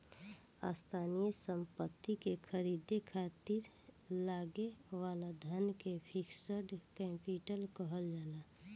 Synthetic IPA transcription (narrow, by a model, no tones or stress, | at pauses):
a̰st̪ʰaːnijəsəmpət̪ːikekʰəɾid̪ekʰat̪iɾ | laːɡewalad̪ʱənkepʰiksəɖkɛ̃mpiʈəlkəɦəld͡ʒaːna